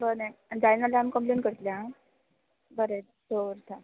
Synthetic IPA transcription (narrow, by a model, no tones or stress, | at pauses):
bəned͡zajnalaamikəmplenkəɾt̪ljã | bəɾe | soɾt̪ʰã